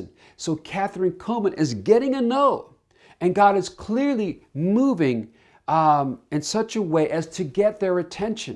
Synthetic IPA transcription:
n | soʊkʰæθɹɨ̃nkʰõʊmə̃nʔɪzɡɛɾɪ̃ŋɨnoʊ | ɨ̃nɡɑɾɨz̥kʰl̥ɪɹlimuvɪ̃ŋ | ɨ̃nsʌt͡ʃəweɪʔɨz̥tʰɨɡɛt̪̚ðə˞ɨtʰɛ̃nʃɨ̰̃n

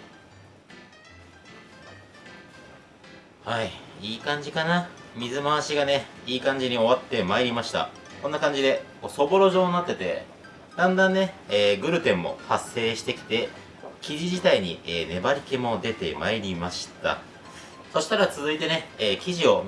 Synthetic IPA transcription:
haiiːkãɲ̟d͡ʑikanamʲizɨmaaɕiɡane̞iːkãɲ̟d͡ʑiɲ̟io̞βat̪ːe̞maeɾʲimaɕi̥t̪a̰ | konːakãɲ̟d͡ʑid̪e̞koso̞bo̞ɾo̞ʑo̞ːnat̪ːe̞t̪e̞ | d̪ãnd̪ãnːe̞eːɡɯ̟ɾɯ̟t̪ẽ̞mːo̞̰hasːe̞ːɕi̥t̪e̞kʲi̥t̪e̞ | kʲiʑiʑit̪aiɲ̟ḭeːne̞baɾʲike̞mo̞d̪e̞t̪e̞̰ma̰eɾʲimaɕi̥t̪a̰ | so̞ɕi̥t̪aɾat͡sɨzɨit̪e̞ne̞eːkʲiʑio̞

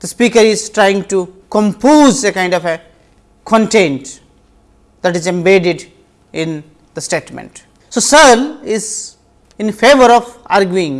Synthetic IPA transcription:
d̪əspiːkəɾɪzʈɾaɪɪ̃ŋɡʈukɔ̃mpoːzekãɪ̃ɳɖɔfe | kʰɔ̃ɳʈẽɳʈ | d̪æʈɪzɛ̃mbeːɖɪɖ | ɪ̃n | d̪əsʈeːʈmɛ̰̃ɳʈ | soːsəlɪz | ɪ̃nfeːʋəɾɔʋa̰ːɾɡjuɪ̃ŋ

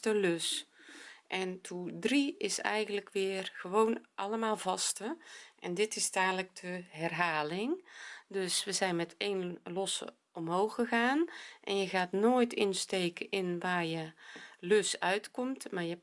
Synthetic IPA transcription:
təløs | ʔɛntʰudriɪsɛ̰jɣəntləkʋɪːrɣəʋownʔɑləmaːlˠvɑstəʔɛ̰ndɪtɪstaːnlək̚dəɦɛrɦaːlɪŋdøsʋəzɛjnmɛtʰejnlɔsə̰ | ɔmɦowxəɣaːnʔɛ̰njəɣaːtnoːjtʰɪnstejkəʔɪnʋaːrjəlɵsœɥtkɔmtmaːɹjə

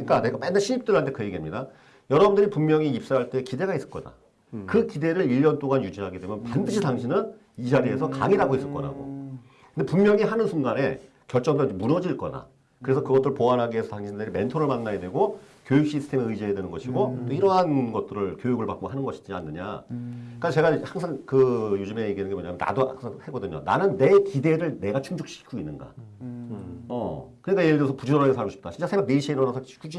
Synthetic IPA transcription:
ɯɲik͈aneɡap͈endaɕʰiip̚t͈ɯɭɦantʰe̞kɯeɡiamɲida | jʌɾʌbundɯɾipummjʌŋiip̚s͈aɦaɭt͈e̞kide̞ɡais͈ɯ̥ɭk͈ʌda̰ | kɯkide̞ɾɯɭiʎːʌnt͈oɡanjud͡ʑinɦaɡidwe̞mjʌnpandɯɕʰitaŋɕʰinɯn | id͡ʑaɾiesʰʌka̰ŋiɾaɡois͈ɯɭk͈ʌɾa̰ɡo̰ | kɯndepummjʌŋiɦanɯnsʰuŋɡane̞̰ | kjʌɭt͡ɕ͈ʌŋbemunʌd͡ʑiɭk͈ʌna̰ | kɯɾe̞sʰʌkɯɡʌt͈ɯɾɯɭpoanɦaɡiɦesʰʌtaŋɕʰindɯɾime̞ntʰoɾɯɭmanːajedwe̞ɡo | kjojuk̚ɕ͈isʰɯ̥tʰe̞meɯjd͡ʑiɦedwe̞nɯnɡʌɕʰiɡot͈oiɾʌɦanɡʌt̚t͈ɯɾɯɭkjojuɡɯɭpak͈oɦanɯnɡʌɕʰi̥d͡ʑia̰nːɯɲa̰ | k͈at͡ɕe̞ɡahaŋsʰaŋkɯjod͡ʑume̞iɡinːɯnɡemoɲamjna̰doa̰ŋsʰaŋheɡʌdɯɲo̰na̰nɯnːe̞kide̞ɾɯɭne̞ɡat͡ɕʰuŋd͡ʑuk̚ɕ͈i̥kʰuinːɯnɡa̰ | ʌkɯɲik͈ajedʌsʰʌpud͡ʑuoɾaɡesʰaɭɡoɕip̚t͈aɕʰint͡ɕ͈asʰebjakneiɕʰieiɾʌnasʰakʰud͡ʑ

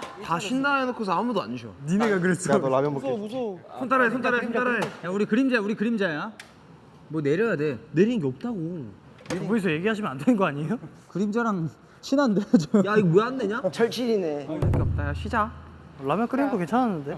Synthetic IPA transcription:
taɕʰindajenokʰosʰʌamudoa̰ɲiɕʰonineɡak̬ɯɾes͈ʰoamjʌoomusʰosʰontʰaɾaesʰontʰaɾasʰontʰaɾaejauɾikɯɾimd͡ʑajuɾikɯɾimd͡ʑaja | mwʌne̞ɾjʌjade̞ne̞ɾinɯnŋɡe̞ʌp̚t͈aɡo | ikʌisʰʌje̞ɡiɦaɕ̬ʰimenandwenɯnɡʌaɲejo | kɯɾimd͡ʑaɾaŋ | ɕʰinanded͡ʑjaiɡmojaɦandeɲat͡ɕʌɭt͡ɕʰiɾinenɡeʌp̚t͈aɡaɕʰid͡ʑaʌlːamjʌnk͈ɯɾinɡoke̞nt͡ɕʰananːɯnde̞

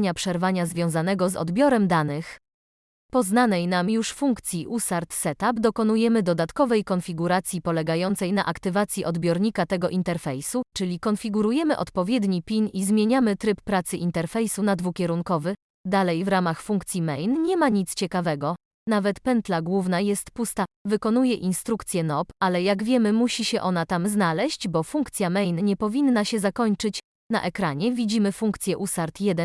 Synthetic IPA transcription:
ɲapʂɛɾvaɲazvʲjɔ̃w̃zanɛɡɔzɔ̰d̪bʲjɔɾɛmd̪anɘx | pɔznanɛjnamjuʂfuŋkt̪sʲjiʔusaɾt̪sɛt̪abd̪ɔkɔnujɛmɘd̪ɔd̪at̪kɔvɛjkɔnfʲiɡuɾat̪sʲjipɔlɛɡajɔnt̪sɛjna̰ʔakt̪ɘvat̪sʲjiʔɔd̪bʲjɔɾɲikat̪ɛɡɔʔint̪ɛɾfɛjsut͡ʂɘlʲikɔnfʲiɡuɾujɛmɘʔɔ̰t̪pɔvʲjɛd̪ɲipʲinizmʲjeɲamɘt̪ɾɘpːɾat̪sɘʔint̪ɛɾfɛjsunad̪vukʲɛɾuŋkɔvɘ | d̪alɛjvɾamaxfuŋk̚t̪sʲjimɛjnɲɛmaɲit̪st͡ɕɛkavɛɡɔ | navɛt̪pɛnt̪laɡwuvnajɛst̪pust̪avɘkɔn̪ujɛʔinst̪ɾukt̪sʲjɛnɔpalɛjaɡvʲjɛmɘmuɕiɕɛʔɔnat̪amznalɛɕd͡ʑbɔfuŋkt̪sʲjamɛjnɲɛpɔvʲinːaɕɛzakɔɲt͡ʂɘt͡ɕ | na̰ʔɛkɾaɲɛvʲid͡ʑimɘfuŋkt̪sʲjɛʔusaɾt̪jɛd̪ɛ

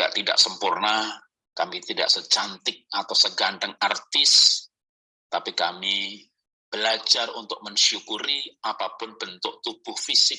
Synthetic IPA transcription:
a̰ʔt̪ida̰ʔsəmpurna | kamit̪ida̰ʔsət͡ʃant̪ɪk̚at̪awsəɡandəŋart̪ɪs | t̪apikami | b̥əlad͡ʒarṵnt̪ʊk̚məɲʃukuɾiapapʊnbənt̪ʊʔ̚t̪ub̥ʊhfisɪk̚

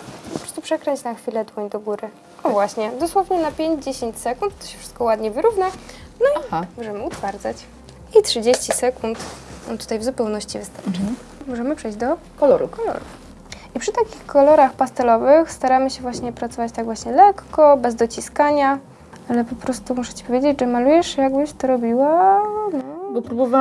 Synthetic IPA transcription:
pɔpɾɔ̥st̪upʂɛkɾɛɲt͡ɕnaxfʲilɛd̪wɔɲd̪ɔɡuɾɘ | avwaɕɲɛd̪ɔswɔvɲɛnapʲjeɲd͡ʑd͡ʑeɕeɲt͡ɕsɛkunt̪ːɔ̥ɕɛ̥fʂɘ̥st̪kɔwad̪ɲɛvɘɾuvnanɔimɔʐɛmɘut̪faɾd̪zat͡ɕ | itʂɘd͡ʑeɕt͡ɕisɛkunt̪t̪u̥t̪ajvzupɛwnɔɕt͡ɕivɘst̪aɾʈ͡ʂa | mɔʐɛmɘpʂɛjd͡ʑd̪ɔ | kɔlɔɾṵkɔlɔ̰ɾṵf | ipʂɘt̪akʲixkɔlɔɾaxpast̪ɛlɔvɘxst̪aɾamɘɕɛvwaɕɲɛpɾat̪sɔvat͡ɕt̪aɡvwaɕɲɛlɛkːɔbɛzd̪ɔt͡ɕiskaɲa | alɛpɔpɾɔst̪umuʂɛ̥t͡ɕi̥pɔvʲed͡ʑed͡ʑʐɛmalujɛʂjaɡbɘɕt̪ɔɾɔbʲiwanɔɔpɾubɔva

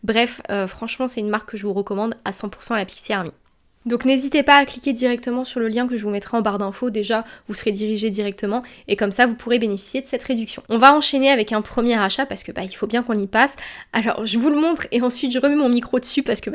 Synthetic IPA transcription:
bʁɛføfχɑ̃ʃmɑ̃sɛt̪ynmaʁkːəʒəvuʁəkɔmɑ̃d̪asɑ̃pu̥ʁsɑ̃lapi̥ksiaʁmi | d̪ɔ̃knezit̪epaːklikʲed̪iʁɛk̚t̪əmɑ̃syʁləljɛ̃kəʒəvumɛt̪χɛɑ̃baʁd̪ɛ̃fod̪eʒavusəʁed̪iʁiʒed̪iʁɛk̚t̪əmɑ̃ | ekɔmsavupʰuʁebenefi̥sjed̪əsɛt̪ʁed̪yksjɔ̃ɔ̃vaɑ̃ʃeneavɛkɛ̃pχəmjeʁaʃapaʁsə̥kəbailfobjɛ̃kɔ̃nipasalɔ̰ʁʒəvuləmɔ̃t̪χeɑ̃sɥit̪ʒəʁəmɛmɔ̃mikχod̪əsypaʁsə̥kəb

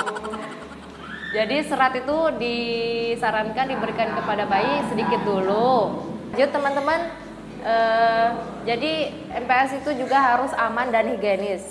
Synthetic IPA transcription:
ə | d͡ʒadisəɾat̪it̪udisaɾankandibəɾikankəpadabaisədikɪt̪̚dulʊ | d͡ʒt̪ːəmant̪əman | ʔə | d͡ʒadi | ʔɛmpeasit̪ud͡ʒuɡaɦaɾʊsamandanhiɡanɪs

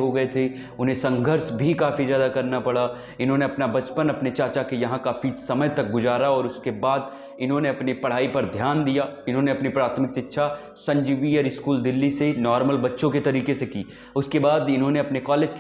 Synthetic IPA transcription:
ɦoɡɐet̪ʰe | ʊnɦẽsɐ̃ŋɡʱəɾsbʱikaːfizjaːd̪akɐɾnapɐɽa | ɪnɦõneɐpnabɐt͡ʃpənɐpnet͡ʃaːt͡ʃakejɐɦãkaːfisɐməjt̪ɐk̚ɡʊzaːɾaɔːɾʊskebaːd̪ | ɪnɦõneɐpnipɐɽ̤aːipɐɾd̪ʱjaːnd̪ijaːɪnɦõneɐpnipɾaːt̪ʰmɪksɪtːʃʰa | sɐ̃ɲd͡ʒiːʋiɔɾɪskuːld̪ɪlːisenɔːɾməlbɐtːʃõket̪ɐɾiːkesekḭː | ʊskebaːd̪ɪnɦõneɐpnekɔːleːd͡ʒk

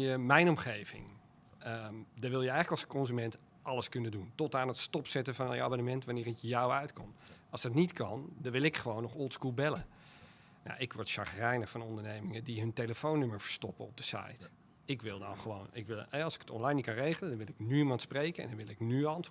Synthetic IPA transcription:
əmɛjnɔmχejvɪ̰ŋ | ədɑʋɪlˠjəɛjχələkɑlˠsəkɔnzymɛnt | ʔɑləskɵnənduntɔtaːnətstɔpsɛtəvɑnnjəa̰bonəmɛntʋanɪːrɪkjawœɥtkɔ̰mɑlˠsdɑtnitkɑndɑnʋɪlˠɪkχəʋownːɔχɔlˠskulˠbɛlə | na̰wʔɪkʋɔɹtʃɑχrɛjnəvɑnɔndəɹnejmɪŋədiɦɵnteləfownːøməɹfə̥ɹstɔpəɔb̚dəsɑ̰jt | ɪkʋɪlˠdɑ̰nχəʋownɪ̰kʋɪlˠɛɑlˠsɪ̥kə̥tɔ̰nlɑjnikɑnrejχələndɑnʋɪlˠɪknyimɑntsprejkəɛ̰ndɑnʋɪlˠɪknyɑntʋ

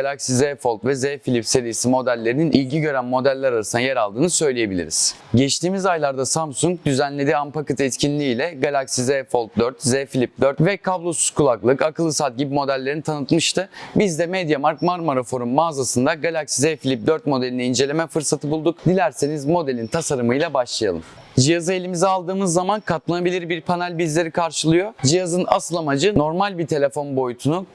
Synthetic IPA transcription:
ɡalʲaksizɛfo̞lˠt̪vɛzefilʲipse̞ɾijesimo̞d̪ælʲːe̞ɾininʔilʲɟiɟø̞ɾænmo̞d̪ælʲːɛɾaɾasɯnajeɾalˠd̪ɯːnɯsø̞jlʲeje̞bilʲḭɾḭz̥ɟɛt͡ʃt̪ʰiːmizajlˠaɾd̪asamsuŋk̚d̪yzænlʲe̞d̪iampakɯt̪ʰɛt̪cʰinʲlʲiːlʲɛɡalʲaksizefo̞lˠt̪̚d̪øɾt̪zɛːfilʲip̚d̪øɾt̪vɛkʰablˠo̞su̥skʰulˠaklˠɯkakɯlˠɯsat̪̚ɟibimo̞d̪ælʲːeɾinit̪ʰanɯt̪mɯʃt̪ɯbizd̪ɛmed̪jamaɾkmaɾmoɾafo̞ɾunmaːzasɯnd̪aɡalʲaksizefilʲip̚d̪øɾt̪̚mo̞d̪e̞lʲinɛind͡ʒe̞lʲe̞mɛfɯɾsat̪ʰɯbulˠd̪ukd̪ilʲæɾsenizmo̞d̪e̞lʲint̪ʰasaɾɯmɯjlˠabaʃlˠaja̰lˠɯm | d͡ʒijazɯe̞lʲimizialˠd̪ɯːmɯzːamankʰat̪̚lˠanabilʲiɾbiɾpʰanalʲbizlʲe̞ɾikʰaɾʃɯlˠɯjo̞d͡ʒijazɯna̰sɯlˠamad͡ʒɯno̞ɾmalʲbit̪ʰe̞lʲe̞fo̞nbo̞jut̪ʰunu

